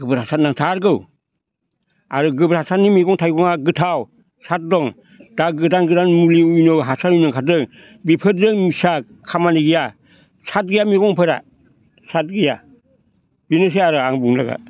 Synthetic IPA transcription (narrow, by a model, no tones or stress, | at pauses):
ɡɯbɯɾhasat̚naŋtʰaɾɡɯw | aɾɯɡɯbɯɾhasat̚nimiɡɔŋtʰajɡɔŋaɡɯtʰaw | sat̚dɔŋ | daɡɯdanɡɯdanmuliujnowɦasanujnɯŋkʰadɯŋ | bipʰɯtdɯŋmisa | kʰːamaniɡija | sat̚ɡɯjamiɡɔŋpʰɯɾa̰ | sat̚ɡɯja | binɯs̬eaɾɯaŋbuŋla̰ɡa̰